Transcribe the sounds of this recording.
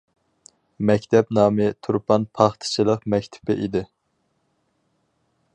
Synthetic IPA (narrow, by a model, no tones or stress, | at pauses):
mɛkʲt̪ʰɛpnɑːmɨt̪ʰuɾpʰɑnpʰɑχt̪ʰɨ̥t͡ʃʰilˠəqmɛkʲt̪ʰɪ̥pɪʔid̪ɪ